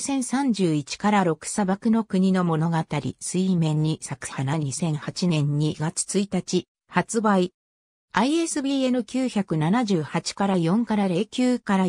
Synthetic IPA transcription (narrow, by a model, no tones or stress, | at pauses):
sẽ̞ɰ̃sãɲ̟d͡ʑɨːit͡ɕi̥kaɾaɾo̞kɯ̟̥sabakɯ̟no̞kɯ̟ɲ̟inomo̞no̞ɡat̪aɾʲḭsɨimẽ̞ɲ̟ːisakɯ̟̥hanaɲɲisẽ̞ɰ̃hat͡ɕinẽ̞ɲ̟ːiɡat͡sɨ̥t͡sɨit̪at͡ɕi | hat͡sɨbai | aie̞sɨbʲiːe̞nɯ̟kʲɨːçakɯ̟nanaʑɨːhat͡ɕi̥kaɾajõ̞ŋkaɾaɾe̞kʲɨːkaɾa